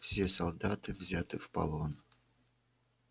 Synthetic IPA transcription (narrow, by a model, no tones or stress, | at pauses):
fsʲe̞sɐlˠd̪at̪ɨvzʲat̪ɨfpɐ̰lˠon